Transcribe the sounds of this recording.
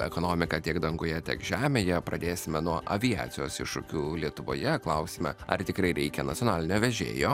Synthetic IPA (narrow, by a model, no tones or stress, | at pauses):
ɛ̰koːnoːmʲɪkɐt̪ʲiɛɡd̪ɐŋɡʊjɛt̪ʲiɛkʒʲæːmʲeːjɛpɾɐd̪ʲeːsʲɪmʲɛnuɔʔɐʋʲɪjæ̰ːt̪sʲɪjoːsɪʃʃʊ̰kʲuːlʲiɛt̪ʊʋo̰ːjɛklˠɐʊsʲɪmʲɛ̰ɐ̰rt̪ʲɪkɾɐɪɾʲɛɪkʲɛnɐtt͡s̪sʲjoːnɑːlʲɪnʲoːʋʲɛʒʲḛːjoː